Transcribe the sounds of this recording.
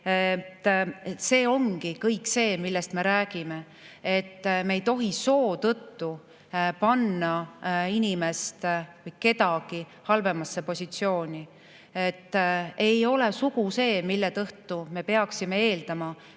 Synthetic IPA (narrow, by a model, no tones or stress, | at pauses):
t̪ːse̞ːo̞ŋɡikɤjkse̞ːmilːest̪me̞ɾæːɡ̥ime̞ | et̪ːme̞jt̪o̞ɦiso̞ːt̪ɤt̪ːu | pɑnːɑinʲimest̪vɤjke̞t̪ɑɡ̥i | hɑlve̞mɑsːe̞po̞sʲit̪sio̞ːnʲi | e̞t̪ːe̞jo̞le̞suɡ̥use̞ːmilːet̪ɤht̪ume̞pe̞ɑksime̞e̞ːld̪̥ɑmɑ